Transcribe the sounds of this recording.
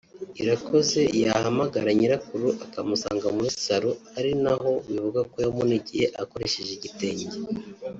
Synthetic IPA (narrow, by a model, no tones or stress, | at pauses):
iɾakʰo̞ze̞jahamaɡaɾaɲiɾakuɾuʔakamusa̰ːŋɡamuissaɾuaɾinaɦo̞wivuɡakojamuniɟihe̞ʔako̞ɾe̞ʃe̞ʒeɟite̞ːɲɟe